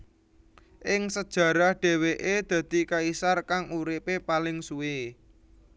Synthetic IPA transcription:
ʔɪŋsəd̥ʒ̥ä̤ɾahɖ̪̥e̤weʔed̪̥ä̤d̪̥i̤kaisarkaŋuɾɪpepalɪŋsue

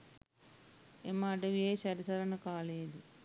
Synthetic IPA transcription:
emːaːɖɐʋieːɕɐɾisɐɾɐnɐkaːɭedi

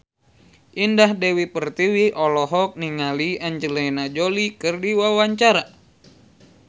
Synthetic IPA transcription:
ʔindahdɛwipərt̪iwiʔɔlɔɦɔk̚niŋaliaɲd͡ʒəlɛjnad͡ʒolikɨrdiwawaɲt͡ʃaɾa

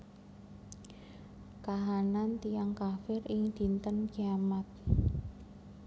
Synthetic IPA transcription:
kaɦanant̪ijaŋkafɪrɪŋd̪̥i̤nt̪ənɡ̥iamat̪̚

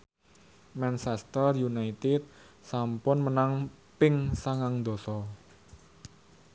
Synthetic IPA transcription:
mansɛst̪ərjunait̪ɪt̪̚ | sampʊnmənaŋ | pɪŋsaŋaŋd̪o̤sɔ

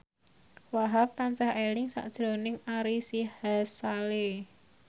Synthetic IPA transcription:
waɦap̚t̪aɲt͡ʃahelɪŋsa̰ʔd̥ʒ̥ɾo̤nɪŋaɾisihasale

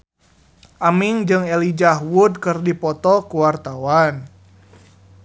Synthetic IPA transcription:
ʔamiŋd͡ʒɨŋɛlid͡ʒaɦwud̚kɨrdipɔt̪ɔkuwart̪awan

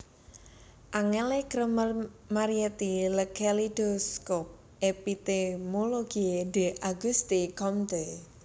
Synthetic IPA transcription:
ʔaŋelekɾəmərmaɾiɛt̪iləkʰelid̥oskɔp̚ | ʔepit̪emoloɡid̪e̤ʔaɡust̪ikɔmt̪e

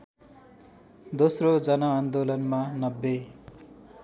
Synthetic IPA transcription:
d̪osrod͡zʌnʌːnd̪olʌnmanʌbːe

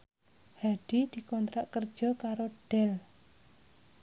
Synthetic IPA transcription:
haɖ̥id̪̥i̤kɔnt̪ɾaʔkərd̥ʒ̥ɔ̤kaɾoɖ̥ɛl

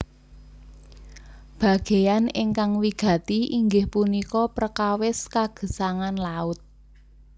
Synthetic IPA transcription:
b̥ä̤ɡ̥e̤janɪŋkaŋwiɡ̥ä̤t̪iʔiŋɡɪhpunikɔpərkawɪskaɡ̥ə̤saŋanlaʊt̪̚

